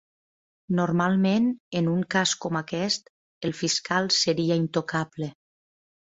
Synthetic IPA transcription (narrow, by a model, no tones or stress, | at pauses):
noɾmalˠmenenuŋkaskɔmakɛst̪ | elˠfiskalˠsəɾiaint̪okʰable